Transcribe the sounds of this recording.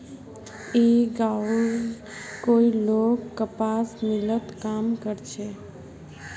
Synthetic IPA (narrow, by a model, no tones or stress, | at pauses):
eɡa | koilokːəpasmɪlət̪kamkəɾt͡ʃʰe